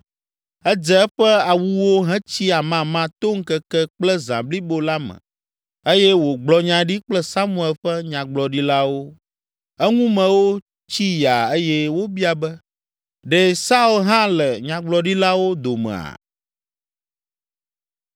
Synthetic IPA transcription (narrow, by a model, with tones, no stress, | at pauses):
ɛ˦d͡zɛ˦ɸɛ˦a˨wu˦wo˦ɦɛ̃˦t͡ɕi˦a˨mã˦mã˦t̪o˦ŋ̩˦kɛ˦kɛ˦k͡plɛ˦zã̰˨bli˦bo˦la˦mɛ̰̃˨ | e˦jɛ˦wo˨ɡ͡blɔ˨ɲã˨ɖi˦k͡plɛ˦sa˦mũ˦ɛ˨lɸɛ˦ɲã˨ɡ͡blɔ˨ɖi˦la˦wo˦ | ɛ˦ŋũ˦mɛ̃˨wo˦ | t͡ɕi˦ja˨e˦jɛ˦wo˦bi˦a˨bɛ˦ | ɖɛ˦sa˦u˦lɦã˦lɛ˨ɲã˨ɡ͡blɔ˨ɖi˦la˦wo˦d̪o˨mɛ̰̃˨a̰˨